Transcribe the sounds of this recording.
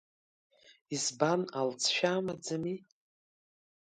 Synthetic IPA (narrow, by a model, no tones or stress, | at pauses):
izbanalt͡sʰʃᶣaːmad͡zami